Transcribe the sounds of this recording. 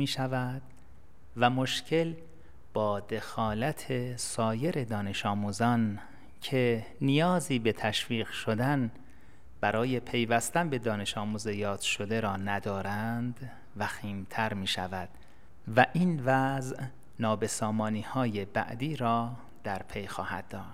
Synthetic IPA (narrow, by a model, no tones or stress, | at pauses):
iːʃævæd̪̥ | væmo̞ʃcʰe̞l | b̥ɒːd̪e̞xɒːlæt̪ʰesɒːje̞ɾe̞d̪ɒːne̞ʃɒːmuːzɒːn | cʰe̞ | nijɒːziːbe̞t̪ʰæʃviːɢʃod̪æn | b̥æɾɒːje̞pʰe̞jvæst̪ænbe̞d̪ɒːne̞ʃɒːmuːzejɒːd̪̥ʃo̞d̪e̞ɾɒːnæd̪ɒːɾænd̪ | væxiːmt̪ʰæɾmiːʃæ̰væd̪̥ | væʔiːnvæzʔ | nɒːbe̞sɒːmɒːniːhɒːjebæ̰ʔd̪iːɾɒː | d̪̥æɾpʰe̞jxɒ̰ːhæ̰d̪̚ːɒːʃ